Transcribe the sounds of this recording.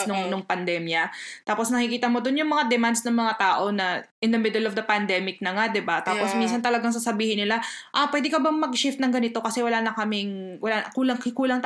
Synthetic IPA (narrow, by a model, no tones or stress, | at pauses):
nʊŋnʊŋpɐnd̪ɛmjɐt̪aːposnɐkɪkiːt̪ɐmod̪onjʊŋmɐŋad̪ɛmand̪snɐŋmɐŋat̪aːʔo̞nɐʔɪnd̪ɐmɪd̪ɛlɔvd̪ɐpɐnd̪ɛːmɪk̚nɐŋad̪ɪbat̪aːposmins̬ɐnt̪ɐlɐɡaŋs̬asɐbiːhɪnːɪlaʔapwɛːd̪ɪɛkɐbɐmɐɡʃɪft̪nɐŋɡɐnɪt̪o̞kɐsɛwɐlaːnɐkɐmɪŋwɐlakuːlɐŋkɪkuːlɐŋt̪